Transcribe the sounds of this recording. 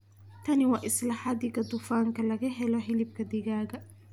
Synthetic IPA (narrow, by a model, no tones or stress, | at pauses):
t̪ʰɐnɪwɑːʔɪslɑːħɑd̪ɪɣɐd̪ʊfaːŋkʰɐlɐɣɐɦɛlɔħɪlɪb̚kʰɐd̪ɪɣaːɣɐ